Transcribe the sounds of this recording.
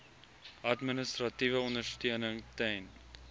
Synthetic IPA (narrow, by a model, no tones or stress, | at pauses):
ʔɐtminəst̪rɐtivəɔndərstøənəŋtɛn